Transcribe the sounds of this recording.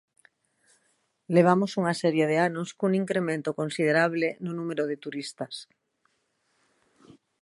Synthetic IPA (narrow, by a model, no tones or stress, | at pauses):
leβ̞amosuŋasɛɾjeð̞eanoskuŋiŋkɾemẽnt̪okonsið̞eɾaβ̞lenonumeɾoðet̪uɾist̪as